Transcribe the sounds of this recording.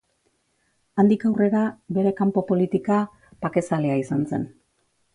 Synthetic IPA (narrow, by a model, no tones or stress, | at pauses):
and̪ikawre̞ɾabe̞ɾe̞kampo̞po̞lit̪ika | pake̞saleaisanse̞̰n